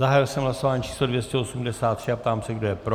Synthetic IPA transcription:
zaɦajɪlsɛmɦlaso̞vaːɲiːt͡ʃʰiːslodvjɛscɛosumdɛsaːt̪ːr̥ɪapt̪aːmsɛɡdo̞jɛpɾo

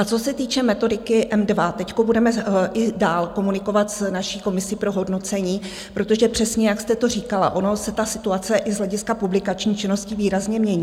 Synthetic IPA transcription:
at͡so̞sɛt̪iːt͡ʃɛmɛt̪o̞dɪkɪʔɛmdvat̪ɛcko̞budɛmɛɪdaːlko̞munɪko̞vat̪snaʃiːko̞mɪsiːpɾo̞ɦo̞dno̞t͡sɛɲiː | pɾot̪o̞ʒɛpr̥ɛsɲɛjakst̪ɛt̪o̞r̝iːkala̰ʔo̞no̞sɛt̪asɪt̪uat͡sɛʔɪzɦlɛɟɪskapublɪkat͡ʃɲiːt͡ʃɪno̞scɪviːɾazɲɛmɲɛɲiː

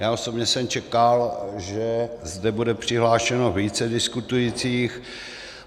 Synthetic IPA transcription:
jaːʔo̞so̞bɲɛsɛmt͡ʃɛkalʒɛzdɛbudɛpr̥ɪɦlaːʃɛno̞viːt͡sɛdɪskut̪ujit͡siːx

